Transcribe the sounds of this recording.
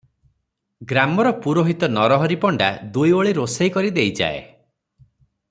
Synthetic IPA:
ɡɾamɔɾɔpuɾoɦit̪ɔnɔɾɔɦɔɾipɔɳɖa̰d̪ujoɭiɾosejkɔɾid̪ejd͡ʒa̰ḛ

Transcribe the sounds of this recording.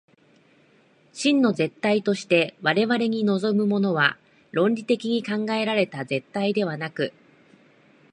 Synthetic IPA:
ɕĩnːo̞ze̞t̪ːait̪o̞ɕi̥t̪e̞βaɾe̞βaɾe̞ɲ̟ino̞zo̞mɯ̟mo̞no̞βa | ɾõ̞nʲɾʲit̪e̞kʲiɲ̟ikãŋɡae̞ɾaɾe̞t̪aze̞t̪ːaid̪e̞βanakɯ̟

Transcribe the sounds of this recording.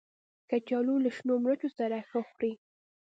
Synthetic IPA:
kat͡ʃɑlulaʃnomɾat͡ʃosaɾaxəxɾi

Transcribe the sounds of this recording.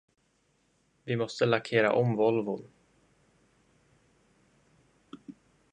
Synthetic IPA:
vɪmɔst̪əlakʰeːɾa̰ʔɔmvɔlvʊn

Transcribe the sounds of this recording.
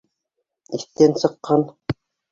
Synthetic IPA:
iθt̪ænsɤ̆qːɑn

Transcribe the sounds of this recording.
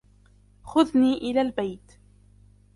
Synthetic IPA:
xʊðniːʔɪlaːlbajt̪

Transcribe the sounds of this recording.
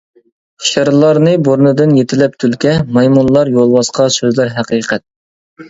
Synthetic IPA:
ʃeɾlˠɑɾnɨboɾnɨd̪ɨnjet̪ʰɪlɛp̚t̪ʰylkʲʰɛmɑjmunlˠɑɾjolˠbɑsqʰɑsøzlæɾɦæqʰiːqʰɛt̪̚

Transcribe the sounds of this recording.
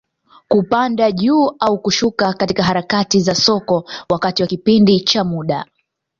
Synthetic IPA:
kupandaʄuːaukuʃukakatikaɦaɾakatizasɔkɔwakatiwakipindit͡ʃamuɗa

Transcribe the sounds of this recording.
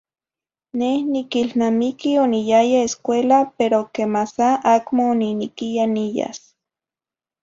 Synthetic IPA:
nehnikilnamikionijajaeskʷelapeɾokemasaʔakmoːninikijanija̰s

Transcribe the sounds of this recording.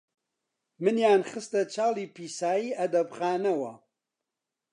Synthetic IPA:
mɨnjaːnχɨst̪ɐt͡ʃʰaːliːpʰiːsaːjiːʔɐd̪ɐbxaːnɐwɐ̰

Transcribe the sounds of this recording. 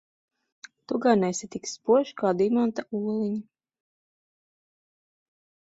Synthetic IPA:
t̪uɡaɾnɛsit̪ikspuɔʃkaːd̪imant̪auɔlˠiɲi

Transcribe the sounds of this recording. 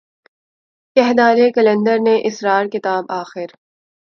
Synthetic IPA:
kɛɦd̪aːɾekɐlə̃nɖ̪əɾneʔɪsɾaːɾkɪt̪aːbaːxɪɾ

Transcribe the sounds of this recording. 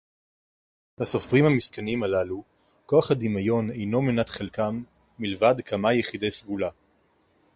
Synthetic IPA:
lasofʁimhamiskanimalalu | ko̞aχadimajo̞ne̞jno̞menatχelkamː | ilvadkʰamajeχide̞jsɡula

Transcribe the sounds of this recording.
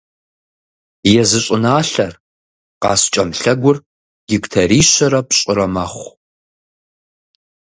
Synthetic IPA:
jɛzɨɕʼɪnaːɬɐr | qɑːst͡ʃʼɐmɬɐɡʷʊr | ɡ̥ɪkʷʼtʰɐɾiːɕɐɾɐpɕʼɪɾɐmɐχʷ

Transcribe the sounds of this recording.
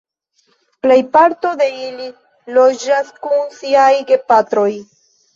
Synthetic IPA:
ple̞jpaɾto̞d̪e̞ili | lo̞d͡ʒaskunsiajɡe̞pat̪ɾo̞j

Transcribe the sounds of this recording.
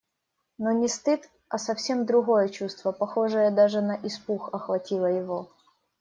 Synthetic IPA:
nonʲɪst̪ɨt̪ | ɐsɐfsʲe̞md̪ɾʊɣo̞jət͡ɕust̪vəpɐxo̞ʐɨjəd̪aʐɨnɐʔɪspuxɐxvɐtʲilˠəjɪvo

